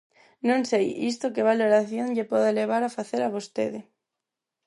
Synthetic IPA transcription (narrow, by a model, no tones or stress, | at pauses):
nõŋsejḭst̪okɪβaloɾaθjõŋʎepɔðeleβ̞aɾafaθeɾaβost̪ḛðɪ